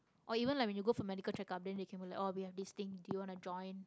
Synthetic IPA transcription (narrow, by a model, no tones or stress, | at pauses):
ʔɔivə̃nlajkwɛnjuɡofɔmɛdikəlt͡ʃɛkap̚dɛ̃ndekʰɛ̃nbilakɔwihɛfdist̪ĩŋdujuwɔ̃nud͡ʒɔ̃jn